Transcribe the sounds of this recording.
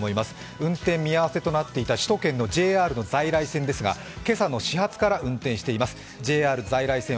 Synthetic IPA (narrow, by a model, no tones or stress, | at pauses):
mo̞imasɨ̥ | ɯ̟̃nt̪ẽ̞mːʲiaβase̞t̪o̞nat̪ːe̞it̪aɕi̥t̪o̞kẽ̞nːo̞d͡ʑe̞ːaːɾɯ̟no̞zaiɾaisẽnd̪e̞sɨɡa̰ | ke̞sano̞ɕiɦat͡sɨ̥kaɾaɯ̟̃nt̪ẽɕi̥t̪e̞imasɨ̥ | d͡ʑe̞ːaːɾɯ̟zaiɾaisẽ